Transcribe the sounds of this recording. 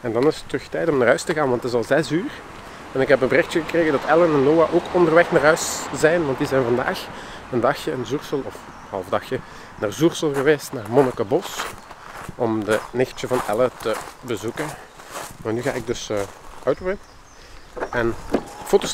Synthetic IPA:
ɛndɑnɪsə̥tːəxtɛjtɔmnaːrɦœɥstəɣaːnʋɑntəzɑlˠzɛsyːr | ɛnɪkɦɛpənbərɪxtəɣəkreːɣədɑtɛlənɛnːoːaʔoːkʰɔndərʋɛxnaːrɦœɥszɛjnʋɑnt̚dizɛjnvɑnda̰ːx | əndɑxjəənzursəlˠɔf | hɑ̰lˠvdɑxjə | naːrzursəlˠɣəʋeːstnaːrmɔnəkabɔs | ʔɔmdənɪxtəvɑnɛ̰lətəbəzukənmaːnyːɣaːɪɡ̚dɵsəœɥtwɪ | ɛnfoːtos

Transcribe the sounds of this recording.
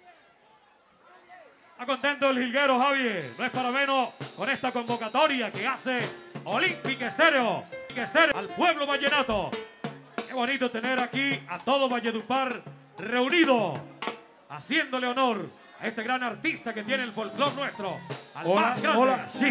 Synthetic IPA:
t̪akont̪ent̪oelhilɣeɾohaβjenoespaɾamẽnosko̞ne̞st̪ako̞mbo̞kat̪o̞ɾjake̞aseolimpikest̪e̞ɾeoikest̪eɾalpwe̞βlo̞βaʝenat̪o | ezβo̞nit̪ot̪e̞ne̞ɾakiat̪o̞ðo̞βaʝeðupaɾ | re̞uniðo | a̰sje̞nd̪o̞leo̞no̞ɾ | ae̞st̪e̞ɣɾanaɾt̪ist̪ake̞t̪je̞neːlfo̞lklo̞nːwe̞st̪ɾoa̰lmasɡɾa

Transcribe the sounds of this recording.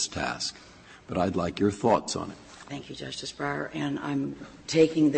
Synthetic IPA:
stʰæ̰sk | b̥ʌɾaɪdˡlaɪkjə˞θɔtsn̩ɨ̰t̚ | θæ̃ŋkʰjɨd͡ʒʌstɨsb̥ɹa̰˞ʔɨ̃nã̰ɪ̃mtʰeɪkɪ̃ŋðɨ

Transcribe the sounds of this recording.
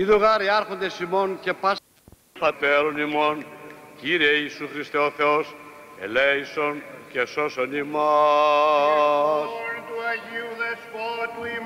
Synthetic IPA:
iðuɣaɾeaɾxond̪esimonkepa | pɐt̪eɾonimonciɾeisuxɾist̪eoθeosḛlɛjsonkesosonimo | st̪uɐʝiwðespot̪ui

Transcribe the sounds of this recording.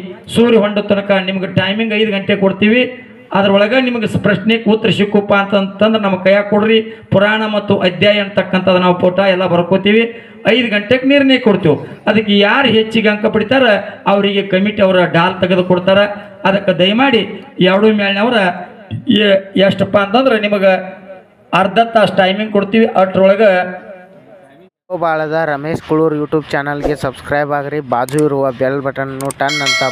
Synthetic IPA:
suːɾiɦoɳɖut̪ːɔlɐkɐnimɐɡeʈɐjmiŋɡɐjd̪uɡɐɳʈekoɽt̪iːʋi | ɐd̪ɐɾɐɔɭɐɡɐnimɐɡespɾɐʂnekut̪ːɐɾɐʃikːupːaːɐnt̪ɐnt̪ːɐnd̪ɐɾenɐmːɐkɐjaːkoɽɾipuɾaːɳɐmɐt̪ːuʔɐd̪jaːjɐnt̪ːɐkːɐnt̪ʰɐd̪unaːʋupoːʈaːɛlːɐbɐɾɐkoːt̪iːʋi | ɐjd̪uɡɐɳʈekːeniːɾɳɐjɐkoɽt̪iʋuɐd̪ɐkːejaːɾuɦet͡ʃːiɡeɐŋkɐpɐɽit̪aːɾeɐʋɐɾiɡekɐmiʈiɐʋɐɾɐɖaːlt̪ɐɡed̪ukoɽt̪aːɾe | ɐd̪ɐkːɐd̪ɐjmaːɽijaːʋɐɽumeːɭnɐʋɐɾɐ | jɐʂʈɐpːɐɐnt̪ɐnd̪ɐɾenimɐɡɐ | ɐɾd̪ʱɐnt̪ɐʂʈɐjmiŋɡ̚koɽt̪iːʋiʔɐʈɾɔɭɐɡɐ | obaːɭɐd̪ɐɾɐmeːʃkuɭuːɾjuːʈjuːb̚t͡ʃaːnɐlɡesɐbskɾɐjbaːɡɐɾibaːd͡ʒuiɾuʋɐbɛlbɐʈɐnɐnːuʈɐnːɐnt̪ɐ

